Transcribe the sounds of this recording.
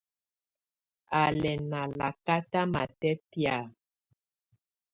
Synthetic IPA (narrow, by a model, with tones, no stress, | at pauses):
a˨lɛ˨na˨la˨ka˦ta˦ma̰˨tɛ˦tja˨